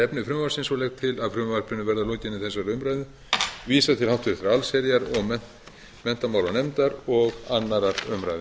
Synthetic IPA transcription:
ɛpnʏfɾʏmvasɪnsɔlɛkt̪ʰɪlaðfɾʏmvaɾ̥pʰɾɪnːʏvɛɾðalocɪnɪθɛs̬ːaɾʏmɾajðʏ | viːsat̪ʰɪlhaw̥t̪ʏɾɪtθɾaalsɛɾjaɾɔɣmɛ | mɛn̥t̪amawlanɛmt̪aɾɔɣanːaɾaɾʏmɾajðʏ

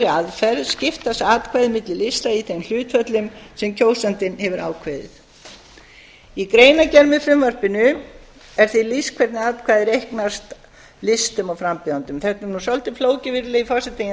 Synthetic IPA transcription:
aðfɛɾðscɪft̪asaːt̪̚kʰvaːjðɪmɪt̪lɪlɪst̪aiθejml̥ʏːt̪fœt̪lʏmsɛmcʰoːwsant̪ɪnhɛvʏɾa̰ːwkʰvejðɪ̰θ | ikɾeːjnacɛɾmʏfɾʏmvar̥pɪnʏ | ɛɾ̥θiliskʰvɛɾt̪nɪaːt̪̚kʰvaːðɪɾehknast̪ | lɪst̪ʏmɔwfɾampɪant̪ʏmθɛht̪naɾnusɔlt̪ɪfloːwcɪvɪɾlɪifɔsɛt̪ɪj

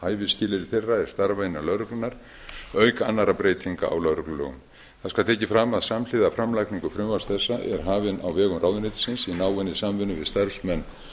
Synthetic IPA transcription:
haːjvɪscɪːlɪɾɪθerːaɛɾ̥st̪aɾvainalœɾʏklʏnaɾ̥ | œːɥkanːaɾapɾeːjt̪ʰiŋka̰ʔa̰wlœwɾʏklʏlœ̰ɣʏ̰m | θaðskaw̪t̪ʰɛːcɪfɾamaðsaml̥ɪːðafɾamlajkniŋkʏfɾʏmvast̪θɛsːaʔɛ̰ɾ̥ɦaːvɪna̰wvɛːɣʏmraːwðnejt̪ɪ̥sɪnsinaːwɛnːɪsamvʏnʏvɪðst̪aɾsmɛnː

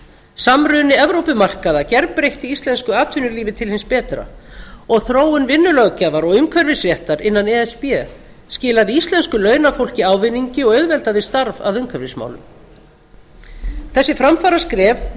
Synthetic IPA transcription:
samɾʏːnɪɛvɾowpʏmar̥kaðacɛɾpɾejht̪ɪist̪lɛnskʏaːt̪ʰʏnʏliːvɪt̪ʰɪlhɪnspɛːt̪ɾa̰ɔɣθɾoːwʏnvɪnːʏlœɣcɛːvaɾɔɣʏmkʰvœɾvɪsrjɛht̪aɾɪnːanɛɛspjɛ | scɪːlaðɪist̪lɛnskʏlœːɥnafowl̥cɪaːwvɪnːiɲcɪɔɣœɥðvɛlt̪aðɪst̪aɾva̰ðʏmkʰvœɾvɪsma̰wlʏ̰m | θɛsːɪfɾamfaːɾaskɾɛːv

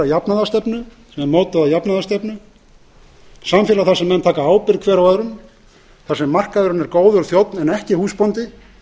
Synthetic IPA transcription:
ajapnaðast̪ɛpnʏ | sɛmɛmoːwt̪aðajapnaðast̪ɛpnʏ | samfjɪːlaθḁsɛmːɛnːt̪ʰaːkaaːwpɪɾðkʰvɛːɾawaðɾʏn | θḁsɛmːar̥kaðɪɾʏnɛɾkoːwðʏɾaθjowt̪nɛnɛhcɪhuːspɔnt̪ɪ

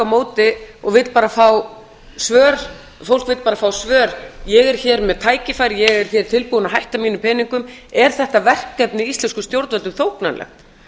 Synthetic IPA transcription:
amoːwt̪ɪɔɣvɪt̪paːɾafaw | svœːɾ | fowlkvɪt̪paːɾafaːwsvœːɾjɛɣɛɾ̥çɛːɾmɛðt̪ʰaːjcɪfajɾjɛɣɛɾ̥çɛːɾ̥t̪ʰɪlpuːʏnaɦajht̪amiːnʏpʰɛːniŋkʏmɛɾ̥θɛht̪avɛr̥kːɛpnɪist̪lɛnskʏst̪jowɾt̪vɛʏmθowkna̰nlɛ̰xt̪

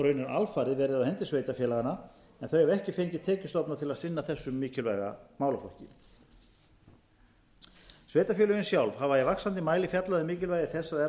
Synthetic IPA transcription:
ɾœɥnʏɾalfaːɾɪðvɛːɾɪðawhɛnt̪ɪsveːjt̪afjɛːlaɣana | ɛnθœɥɛvɛhcɪfejɲcɪt̪ʰɛːcʏst̪ɔpnat̪ʰɪlaðsɪnːaθɛsːʏmːiːcɪlvajɣa̰maːwlafɔhcɪ | sveːjt̪afjɛlʏjɪnsjawlvhavajɛvaksant̪ɪmaːjlɪfjat̪laðɪmiːcɪlvajðɪθɛsːaðɛ

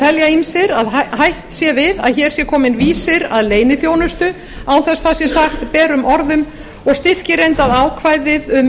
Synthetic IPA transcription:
ɛljainsɪɾaðahajht̪sjɛvɪða̰ðçɛːɾ̥sjɛkʰɔːmɪnviːsɪɾa̰ðleːjnɪθjoːwnʏst̪ʏ | awθɛsθasjɛsaxt̪pɛːɾʏmɔɾðʏm | ɔɣst̪ɪr̥cɪɾejnt̪aðaːwkʰvajðɪðʏm

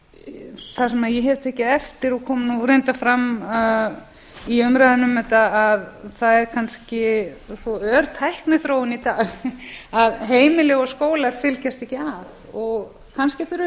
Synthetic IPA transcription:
θasɛmaðjɛɦɛvɾt̪ʰɛːcɪðɛft̪ɪɾɔkʰɔːmnuɾejnt̪afɾam | iœmɾaðanːʏmɛt̪aaðθaðɛɾ̥kʰanscɪsɔœɾt̪ʰajhknʏθɾoːwɪnit̪aːɣaðɦeːjmɪlɪɔskoːwlaɾ̥fɪlcast̪ɛhcːɪaðɔɣ | kʰanscɪθʏɾʏ

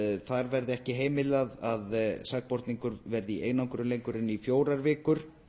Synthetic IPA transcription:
θaɾvɛɾðɪɛhcɪɦeːjmɪlaðaðsak̚pɔɾt̪niŋkʏɾvɛɾðɪiʔejnawŋkʏɾʏlejŋkʏɾɪnːifjoːwɾaɾvɪːkʏɾ̥

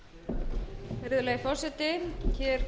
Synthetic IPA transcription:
ɾɪðʏlɛːjɣfɔ̥sɛt̪ɪçɛɾ̥

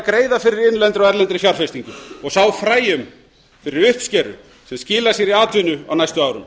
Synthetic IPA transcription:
kɾeːjðafɪɾɪɾɪnlɛnt̪ɾɔɛɾlɛnt̪ɾɪfjaɾ̥fejst̪iŋkʏɔɣsaːwfɾaːjʏm | fɪɾɪɾʏhpscɛːɾʏ̰ | sɛmscɪːlasjɛɾiaːt̪vʏnʏa̰wnajst̪ʏmaːwɾʏ̰m

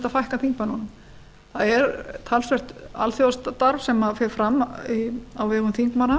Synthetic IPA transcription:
t̪afajhkaθiŋkpanɔnʏm | θaðɛɾt̪ʰalsvɛr̥t̪a̰lθjowast̪t̪ːaɾv̥sɛmːafɛːɾ̥fɾamːiawvɛːɣʏmθiŋkmana

